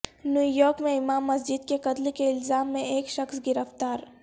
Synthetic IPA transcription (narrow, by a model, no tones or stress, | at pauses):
njuːjɔːɾkmẽɪmaːmːɐs̬d͡ʒɪd̪keqɐt̪lkeɪlzaːmːẽeːkʃɐxsɡɪɾəft̪aːɾ